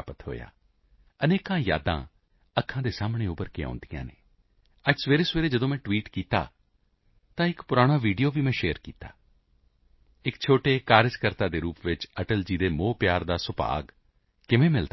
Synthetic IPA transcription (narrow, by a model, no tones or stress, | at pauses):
pət̪ɦo̰ːja̰ː | əneːkãːja̰ːd̪ã̰ː | əkʰːãːd̪eːsaːmɳeːʊpəɾkɪjã̰ːnd̪ijã̰ːnḛː | əd͡ʒsʋeːɾeːsʋeːɾeːd͡ʒəd̪õːmɛ̃ːʈʋiːʈkiːt̪a̰ː | t̪ãːɪkpʊɾaːɽ̃aːʋiːɖijoːʋiːmɛ̃ːʃeːəɾkiːt̪a̰ː | ɪkt͡ʃʰoːʈeːkaːɾɪd͡ʒkəɾt̪aːd̪eːɾuːpʋɪt͡ʃəʈəld͡ʒiːd̪eːmoːpjaːɾd̪aːsʊpa̰ːɡ | kɪʋẽːmɪld̪